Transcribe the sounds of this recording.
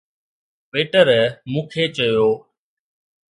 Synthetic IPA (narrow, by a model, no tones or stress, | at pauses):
ʋeːʈəɾmũːkʰeːt͡ʃəjoː